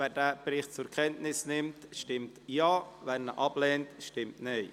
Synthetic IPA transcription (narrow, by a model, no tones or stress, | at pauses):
vɛːɾdɛːbɾɪχt̚t͡sʊɾkʰɛntnɪsnɪmtʃtɪmtjaːvɛnnəʔɑbleːntʃtɪmtne